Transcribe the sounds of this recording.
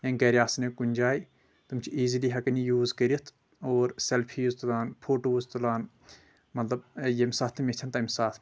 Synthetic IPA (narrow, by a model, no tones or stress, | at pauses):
jɐ̃nɡɐɾʲjaːsnekunʲd͡ʒaːj | t̪ɨmt͡ʃʰiiːziliːɦɐkɐnijuːzkəɾiit̪ʰ | oːɾselpʰiuzt̪ulaːnpʰoːʈouzt̪ulaːn | mɐt̪lɐb̚jemsaːt̪ʰːmʲiet͡ʃ̪ʲʰɐnt̪ɐimsaːt̪ʰ